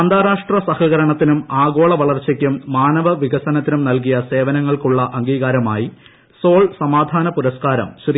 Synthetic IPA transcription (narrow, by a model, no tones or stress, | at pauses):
ɐnd̪aːɾaːʂʈrɐsɐhɐɣɐɾɐɳɐt̪ːinumaːɣo̞ːɭɐʋɐɭɐrt͡ɕɐkʲːumːaːnɐʋɐʋiɡɐsɐnɐt̪ːinumnɐlk̬ijɐse̞ːʋɐnɐŋːɐɭkuɭːɐʔɐŋɡiːɣaːɾɐma̰ːji | so̞ːɭsɐmaːd̪ʱaːnɐpuɾɐskaːɾɐ̰mɕr